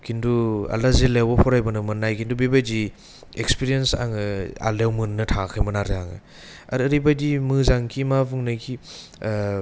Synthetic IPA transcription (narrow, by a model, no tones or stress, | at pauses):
kʰindua̰lazelewapʰɔɾajbɯnɯmɯnːajkʰindubibajdi | ekspiɾijensa̰ŋɯa̰lewmɯnːɯtʰakʰɯjmɯnaɾeaŋɯ̰ | a̰ɾɾibajdimɯzaŋkʰimabɯŋnajkʰi